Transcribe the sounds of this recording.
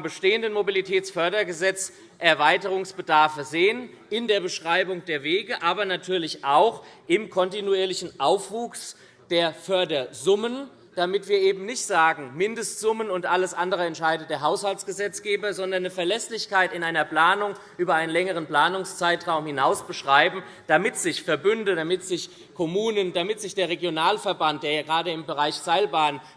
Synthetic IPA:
bəʃteːəndənmobilitʰɛːt͡sfœɐdɐɡəzɛt͡s | ʔɛɐvaɪtəʁ̞ʊŋsb̥ədaɐfəzeːən | ɪndeːɐbəʃʁ̥aɪbʊŋd̥eːɐveːɡəʔaːbɐnatʰyːɐlɪçʔaʊxʔɪmkʰɔntinuiːɐlɪçn̩ʔaʊfv̥uːks | d̥eːɐfœɐdɐzʊmən | d̥amɪtv̥iːɐʔeːbm̩nɪçtz̥aːɡŋ̩mɪndəstz̥ʊmənʊntʔaləsʔandəʁəɛntʃaɪdəd̥eːɐɦaʊshaltt͡sɡ̥əzɛt͡sɡ̥eːbɐzɔndɐnːəfɛɐlɛslɪçkaɪtɪnʔaɪnɐpl̥aːnʊŋʔyːbɐʔaɪnənlɛŋəʁ̞ənpl̥aːnʊŋst͡saɪtʁ̥aʊmhɪnaʊsb̥əʃʁ̥aɪbm̩ | d̥amɪtz̥ɪçfɛɐbʏndədamɪtz̥ɪç | kʰɔmuːnənd̥amɪtz̥ɪçd̥eːɐʁeɡjonaːlfɛɐbant̚d̥eːɐjaːɡʁaːdəɪmbəʁaɪçz̥aɪlbaːn

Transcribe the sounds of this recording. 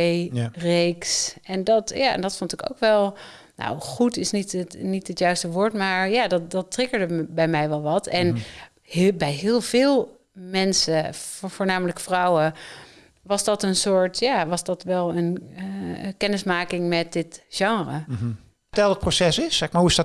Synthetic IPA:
ejrejksɛndɔtjaɛ̰ndɔtfontɪko̰wkʋɛlˠ | no̰wχutɪsnitətnitətjœɥstəʋoːɹtmaːɹjaːdɔdɔtrɪkəɹdəbɛjmɛjʋɛlˠʋɑtɛn | bɛjɦɪːlˠv̥ɪːlˠ | mɛnsəvoːɹnaːmələkfrɔwə | ʋɑzdɔtənsʊːɹtjaʋɑsdɔtʋɛlˠənəkɛnəsmaːkɪŋmɛt̚d̥ɪtʒ̥ɑŋrə | tɛlˠdət̚prosɛsɪsɛkmaɹhuɪsdɔ

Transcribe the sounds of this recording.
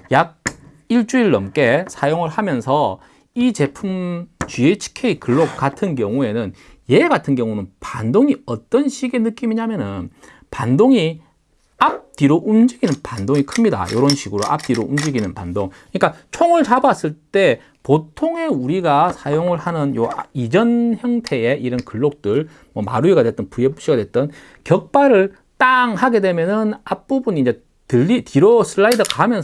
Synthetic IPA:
jaɡ̚ | iɭt͡ɕ͈uiɭːʌmk͈e̞sʰajoŋɯɭhamjʌnsʰʌ | it͡ɕe̞pʰumt͡ɕɥiet͡ɕʰi̥kʰe̞ikɯɭːokk͈atʰɯnkjʌŋue̞nɯn | je̞ɡatʰɯnkjʌŋunɯnpandoŋiʌt͈ʌnɕʰiɡe̞nɯk͈imiɲamjʌnɯn | pandoŋi | ap̚t͈iɾoʔund͡ʑiɡinɯnpandoŋikʰɯmɲida̰joɾʌnɕʰiɡɯɾo̰ʔa̰p̚t͈iɾound͡ʑiɡinɯnpa̰ndoŋkkɯɲik͈at͡ɕʰoŋɯɭt͡ɕabas͈ɯɭt͈e̞ | potʰoŋe̞uɾiɡasʰajoŋɯɭhanɯnjoid͡ʑʌnçjʌŋtʰe̞e̞ʔiɾʌnkɯɭːok̚t͈ɯɭ | mwʌma̰ɾuiɡadwe̞t͈̚ʌnpujepu̥ɕ͈iɡadwet̚t͈ʌn | kjʌk̚p͈aɾɯɭ | t͈aŋɦaɡe̞dwe̞mjʌnɯnap̚p͈ubuniːnd͡ʑe | tɯːitiɾosʰɯɭːaidɯkaɦamjʌns

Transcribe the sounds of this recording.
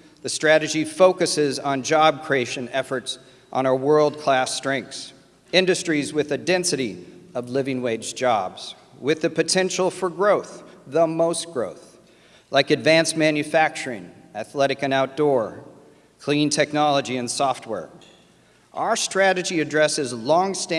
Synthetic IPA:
ðɨstɹ̥æɾɨd͡ʒifoʊkɨsɪzn̩d͡ʒɑb̚kʰɹ̥ieɪʃɨ̃nɛfə˞ts | n̩aʊə˞wɜ˞lˠd̚kʰl̥æstɹ̥ɛ̃ŋks | ɪ̃ndɨstɹ̥izwɨðɨdɛ̃nsɨɾiʌvlɪvɪ̃ŋweɪd͡ʒd͡ʒɑ̰bz̥ | wɪðɨpɨtʰɛ̃nʃl̩ˠfə˞ɡɹoʊθðəmoʊstɡ̥ɹoʊθ | lʔaɪkɨdvæ̃nsmæ̃njɨfæk̚t͡ʃə˞ɪ̰̃ŋɨθlɛɾɨkɨ̃naʊt̚d̥ɔɹ | kʰl̥ĩntʰɛk̚nɑlˠəd͡ʒiɨ̃nsɔft̚wɛ̰ɹ | ʔa̰ʊə˞stɹ̥æɾɨd͡ʒiɨdɹɛsɨzlɔ̃ŋstæ̃

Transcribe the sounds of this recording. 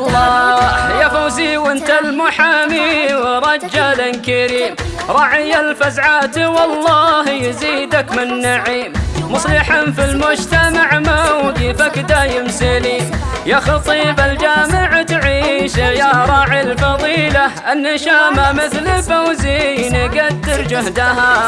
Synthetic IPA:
ʔlːɑjafawziːwʔɪnt̪almʊħamiwɾˤɑd͡ʒːalankaɾiːmɾˤɑʕɪjalfazʕaːt̪iwɑlˤːɑːhjziːd̪akmɪnːaʕiːmːʊsˤlɪħanfilmʊd͡ʒt̪amaʕmawd̪ifakd̪ajɪmsɪlijaxɑt̪ˤiːbald͡ʒaːmɪʕt̪ʕiːʃjaɾˤɑʕilfɑðˤiːlaʔanːaʃaːmamɪθlɪfawziːjniɡad̪ːɪɾd͡ʒʊhd̪aha

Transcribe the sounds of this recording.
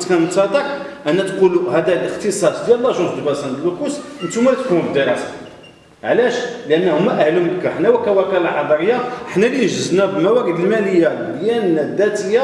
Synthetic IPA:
t̪kæmʊt̪ɑd̪ɑkʔænːæt̪quluhæd̪ælʔəxt̪əsˤɑsˤd̪jælːæʒuzd̪bæsænəlːəkusʔənt̪umælæt̪kunbəd̪əɾɑsɑ̥ | ʕlæʃlʔənːæhʊmːæʔæhluməkːæħnæwækæwækælalħɑd̪ˤɑɾəjːaəħnæliʒəznæbəlmæwæɾid̪əlmæləjːabjænd̪ːæt̪əjːa

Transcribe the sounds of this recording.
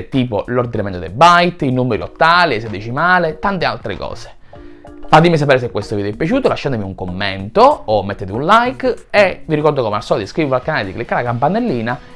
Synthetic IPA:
t̪iːpoloɾd̪inamɛnt̪od̪ɛ̰bajt̪inumeɾio̰t̪ːaːliɛsed̪et͡ʃimaːlet̪ant̪ea̰lt̪ɾḛkɔ̰ːse̥ | fat̪imis̬apɛːɾes̬ekːwest̪ovid̪ɛpːjat͡ʃuːt̪olaʃːand̪miuŋkomːɛ̰nt̪oːmːet̪ːet̪iunlajkeviɾikɔɾd̪okɔmeasːɔd̪iskɾiːvalkanaːled̪iklikːaːɾakampanːelːiːna

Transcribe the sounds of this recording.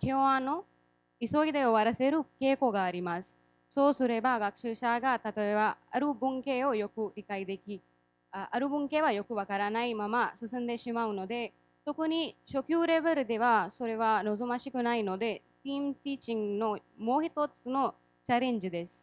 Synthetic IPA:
kʰeoaːno | isoːjd̪ejoʋɐɾɐseɾukeːkoɡaːɾimas | sosuɾebaːɡɐkʂɨʃaːɡat̪ɐt̪ɐʋeʋaɐɾubuŋkejojokuikɐjd̪ekʰi | ɐɾubuŋkeʋajokuʋɐkɐɾaːnajmɐmasusɐnd̪eːʃimaːunod̪e | t̪okuniʃokjuːɾeʋɐɾud̪eʋasoɾeʋanozomɐʃikunaːjnod̪e | t̪iːmt̪iːt͡ʃiŋnomoːɦit̪oːt̪sno | t͡ʃɐɾeɲd͡ʒud̪es

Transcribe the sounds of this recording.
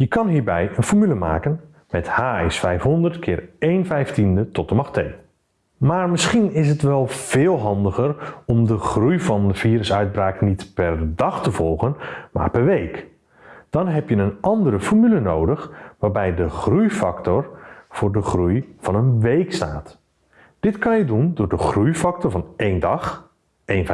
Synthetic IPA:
jəkɑnɦiːɹbɛjənfɔɹmyləma̰ːkən | mɛthaːɪsfɛjfɦɔndərtkʰɪːrejnfɛjftindətɔtəmɑxtej | maːrmɪsχinɪs̬ətʋɛlˠv̥ɪːlˠɦɑndəɣərɔmdəχrujvɑnəviːɾəsœɥd̚braːknitpɛrdɑxtəvɔlˠɣənma̰ːrpɛrʋejk | d̥ɑnɦɛpjənənɑndəɾəfɔɹmylənowdəxʋaːrbɛjdəχrujfɑktɔrv̥ʊːrdəχrujv̥ɑnənʋejksta̰ːt | d̥ɪtkɑnjədundʊːɹdəχrujfɑk̚tɔɹvɑnejndɑχ | ʔejn

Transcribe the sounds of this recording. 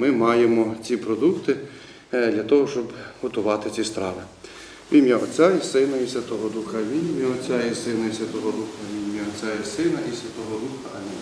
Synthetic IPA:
mɪmɑjemɔt͡sʲipɾɔd̪ukt̪ɪ | d̪lʲɐt̪ɔɦɔʃt͡ʃɔbhɔt̪ʊʋɑt̪ɪt͡sʲist̪ɾɑʋɪ | ʋʲimʲjaɔt͡sʲaisɪnɐisʲjʲɐt̪ɔɦɔd̪uxɐʋʲinʲmʲjiɔt͡sʲaisɪnɐisʲjʲɐt̪ɔɦɔd̪uxɐʋʲimʲjaɔt͡sʲaisɪnɐisʲʋʲɐt̪ɔɦɔd̪uxɐnʲi

